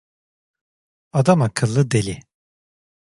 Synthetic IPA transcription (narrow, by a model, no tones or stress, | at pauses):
ad̪amakʰɯlˠːɯd̪elʲi